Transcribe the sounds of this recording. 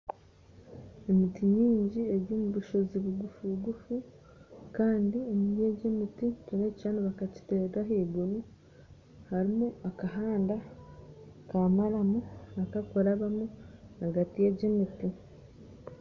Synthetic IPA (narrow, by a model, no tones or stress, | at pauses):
e̞mitiɲiːɲɟie̞ɾoːmuβuʃo̞ziβuɡufuβuɡufu | kaːndiemiie̞ɟemiticoneaneβakaci̥teɡaɦeːɡunu | haɾimuakaɦaːnda | kamaɾamuakakoɾaβamuaɡatijeɟemiti